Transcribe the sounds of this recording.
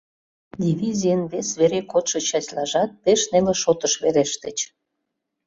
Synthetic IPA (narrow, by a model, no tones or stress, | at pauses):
d̪ʲivizʲijənβesβeɾekot̪ʃə̆t͡ɕɑt͡ɕlɑʒɑt̪̚peʃneleʃot̪əʃβeɾeʃt̪ət͡ɕ